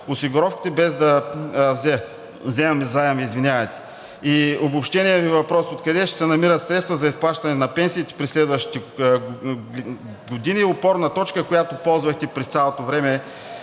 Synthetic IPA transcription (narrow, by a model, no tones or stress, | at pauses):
ʊsiɡʊɾɔfkʲi̥t̪ɛbɛzd̪ɐvzɛ | vzɛmɐmizajɐmizvinʲavɐt̪ɛ̥ | iobʊpʃt̪ɛniɛvivɐpɾɔsot̪kɐd̪ɛʃt̪ɛ̥sɛnɐmiɾət̪sɾɛt̪st̪vəzɐisplˠaʃt̪ɐnɛnɐpɛnsiːt̪ɛ̥pɾislɛd̪vɐʃt̪i̥t̪ɛ | ɡʊd̪iniopɔɾnɐt̪ɔt͡ʃkəkʊjat̪opɔlˠzvɐxt̪ɛpɾɛssʲalˠot̪ovɾɛmɛ